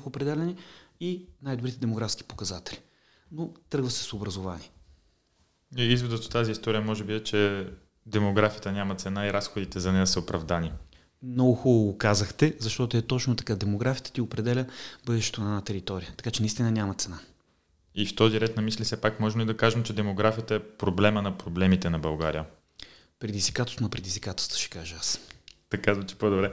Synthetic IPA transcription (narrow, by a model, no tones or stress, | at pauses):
xopɾɛd̪ɛlʲɛniinajd̪obɾit̪ɛd̪ɛmoɡɾafsk̟i̥po̥kɐzat̪ɛlʲi | not̪ɾɤɡvɐsɛ̥sobɾɐzovani | iizvɛd̪ət̪o̥t̪aziːst̪ɔɾijəmɔʒɛbiɛt͡ʃɛ | d̪ɛmoɡɾafijət̪ənʲamɐt̪sɛnaiɾasxod̪it̪ɛzɐnɛjəsəopɾɐvd̪ani | mnɔɡʊxulˠoɡokazəxt̪ɛzɐʃt̪ɔt̪oɛt̪ɔt͡ʃnot̪ɐ̥kad̪ɛmoɡɾafijət̪ət̪ʲiopɾɛd̪ɛlʲəbɤd̪ɛʃt̪ɛ̥t̪onɛnat̪ɛɾit̪ɔɾijət̪ɐ̥kat͡ʃɛnɐist̪inɐnʲamɐt̪sɛna | ift̪ɔziɾɛt̪nɐmislʲifsɛpakmɔʒmlid̪ɐkaʒɛmt͡ʃɛd̪ɛmoɡɾafijət̪əɛpɾoblɛmənɐpɾoblɛmit̪ɛnɐbɐlˠɡa̰ɾijə | pɾɛd̪izvikat̪ost̪nɐpɾɛd̪ʲizvʲikat̪o̥st̪ə̥ʃɛ̥kaʒəast̪ɐkazvɐt͡ʃɛ̥pod̪obɾɛ